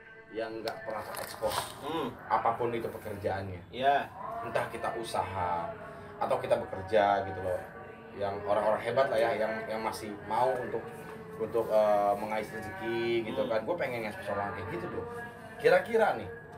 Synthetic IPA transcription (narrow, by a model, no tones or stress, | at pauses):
jaŋɡaʔpərnasakɛ̰kspɔrʔapapʊnit̪upəkərd͡ʒaanɲajant̪ahkit̪aʔusaɦaː | t̪awkit̪abəkərd͡ʒaɡit̪ulɔh | jaŋoɾaŋoɾaŋɦebat̪lahjahjaŋjaŋmasɪhmauunt̪ʊk̚ | unt̪ʊk̚əməŋaisəsikiɡit̪ukanɡuapeŋɛnŋaspəsoɾaŋakɛɡit̪udʊh | kiɾakiɾanɪh